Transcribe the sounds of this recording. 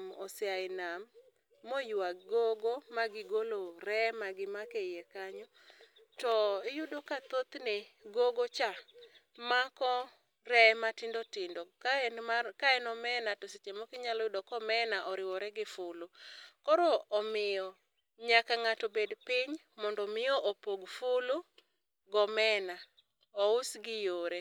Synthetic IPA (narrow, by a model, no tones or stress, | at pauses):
mɔsɪaɪnamː | ojʊaɡoɡomaɡɪɡoloɾɛmaɡɪmakejɛkaɲɔ | tɔɪjʊdokat̪ot̪neɡoɡot͡ʃa | makɔ | rɛmatɪndɔtɪndɔ | kaɛnɔmɛnatɔset͡ʃemɔkɪɲalɔjʊdɔkɔmɛnaʔɔɾɪwɔɾɛɡɪfʊlʊkɔɾɔːmɪjɔ | ɲakaŋatobedpɪɲ | mɔndɔmɪjɔʔopoɡfʊlu | ɡɔmɛna | ɔʊsɡɪjoɾe